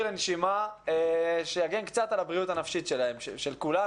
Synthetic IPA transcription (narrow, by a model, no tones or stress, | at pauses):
lenʃimaeʃejaɡenkt͡sat̪alabʁiut̪anafʃitʃe̞laemʃeʃe̞lkula